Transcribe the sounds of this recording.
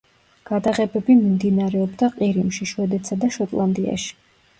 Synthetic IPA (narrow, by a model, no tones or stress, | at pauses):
ɡ̥ad̪aʁɛbɛbimimd̪inaɾɛɔbd̪aqʼiɾimʃiʃwɛd̪ɛt̪sad̪aʃɔt̪ʼlˠand̪ia̰ʃi̥